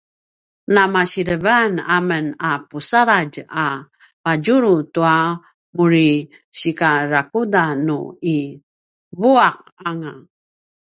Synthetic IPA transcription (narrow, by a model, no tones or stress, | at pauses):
namaɕiɾəvanamənapusaɾaɟa | paɟuɾutua | muɾi | ɕikaɾakudanui | vuaq | aŋa